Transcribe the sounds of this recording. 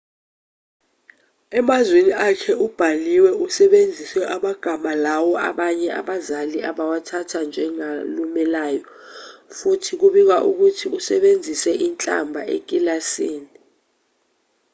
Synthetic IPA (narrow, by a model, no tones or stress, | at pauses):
ɛmazweniʔakʰɛub̥ʱaliwɛusɛɓend͡zʱiswɛʔaɓaɡ̥ʱamalawɔa̰ɓaɲɛʔa̰ɓazaliʔaɓawatʰatʰand͡ʒʱɛŋalumɛlaːjɔfutʰik̬uɓik̬waʔuk̬utʰiusɛɓend͡zʱisɛʔint͡ɬʼa̰mbʱaʔḛk̬ʼilasiːni